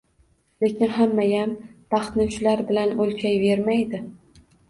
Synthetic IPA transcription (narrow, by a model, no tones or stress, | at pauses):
le̞kʲɪnɦamːajamb̥ɑχt̪nɪt͡ʃʰʊlaɾbɪlanolkʲʰajve̞ɾmajd̪ɪ